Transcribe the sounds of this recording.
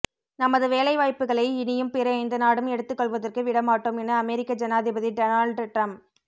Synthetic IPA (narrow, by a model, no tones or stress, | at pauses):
nɐmɐðɯʋeːlɐɪʋaːjpːɯɣɐɭɐɪɪnɪjɯmpɪɾɐɐɪnd̪ɐnaːɽɯmɛɽɯt̪ːɯkːɔɭʋɐðɐrkɯʋɪɽɐmaːʈːoːmɛnːɐɐmɛɾɪkːɐd͡ʒɐnaːðɪbɐðiɖɐnaːɭɖʈɾɐmp